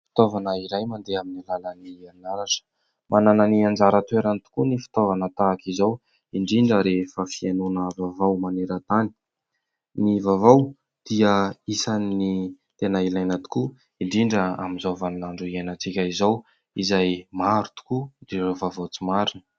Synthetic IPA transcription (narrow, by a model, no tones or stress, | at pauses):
fi̥t̪ovanəiɾajmand̪eaminilalanianaɾaʈ͡ʂə̥ | mʔanananiand͡zaɾət̪weɾant̪u̥kunifi̥t̪ovanət̪aːkizow | iɳɖ͡ʐiɳɖ͡ʐəɾefəfienunəvavawmaneɾət̪ani̥ | nivavaw | d̪̥iəisanni | t̪enəilajnət̪u̥ku | iɳɖ͡ʐiɳɖ͡ʐəa̰minzovanaɳɖ͡ʐuienat͡sikʲaizow | izajmaɾut̪u̥kud̪̥iovavowt͡simaɾinə̥